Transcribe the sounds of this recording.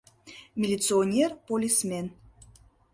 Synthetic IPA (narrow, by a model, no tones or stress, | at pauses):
mʲilʲit̪t͡sɨonʲerpolʲismʲen